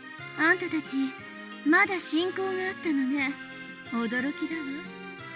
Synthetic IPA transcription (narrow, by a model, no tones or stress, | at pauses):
ãnt̪at̪at͡ɕi | mad̪aɕĩŋko̞ːɡaːt̪ːano̞ne̞ | od̪o̞ɾo̞kʲid̪ajo